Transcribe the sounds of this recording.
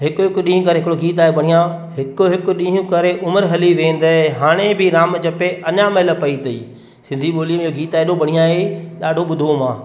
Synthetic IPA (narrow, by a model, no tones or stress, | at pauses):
ɦɪkʊɦɪkʊɗĩːɦũkɐɾeɦɪkɪɽoɡiːt̪̬aːɦebʱɐɽ̤̃ijã | ɦɪkʊɦɪkʊɗĩɦũkɐɾeʔʊməɾɦɐliʋẽːnd̪aːeɦaːɽ̃ebɪɾaːmd͡ʑɐpeʔɐɲamɐɦɪlə̆pɐit̪ɐḭː | sɪ̃nd̪ʱiɓoːlimeoɡiːt̪aːɦeɗõbʱɐɽ̤̃ijãɦeɗaːɖʱoɓʊd̪ʱomãː